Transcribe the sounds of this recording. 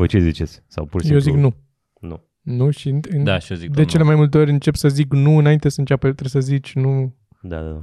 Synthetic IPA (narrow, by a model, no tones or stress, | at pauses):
vojt͡ʃezit͡ʃet̪sʲsa̰wpuɾsjijieoziknu | nṵ | nuʃiɨnd̪a̰ʃiozikd̪e̞t͡ʃe̞le̞majmult̪̬e̞o̞ɾʲɨnt͡ʃe̞psəziknuɨnaint̪esəɨnt͡ʃʲapet̪ɾesəzit͡ʃʲnu | d̪a̰d̪a̰d̪a